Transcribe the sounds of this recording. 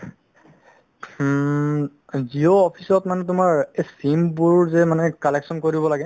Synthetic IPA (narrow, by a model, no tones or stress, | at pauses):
zioːpʰisɔtmanɛtʊmaɹesimbuɹɹzɛmanɛkalɛksɔnkoɹibɔlaɡɛ